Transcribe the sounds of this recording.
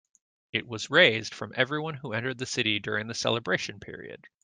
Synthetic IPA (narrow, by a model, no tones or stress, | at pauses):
ɨʔ̚wʌzɹeɪzd̥fɹʌ̃mʔɛvɹiwʌ̃nhuɛ̃ntə˞d̪̚ðɨsɪɾidʊɹɪ̃ŋðɨsɛ̰lˠəbɹeɪʃɨ̃npʰɪ̰ɹḭɨ̰d̥